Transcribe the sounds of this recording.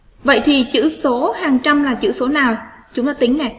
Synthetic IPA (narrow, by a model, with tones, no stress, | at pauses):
və̰˧˨jt̪ʰi˨˩t͡ɕɨ̰˧˥so˨˦haː˨˩ŋt͡ɕa˧mlaː˨˩t͡ɕɨ̰˧˥so˨˦naː˨˩wt͡ɕʊ˨˦ŋ͡mt̪aː˨˦t̪ï˨˦ŋnɛ˨˩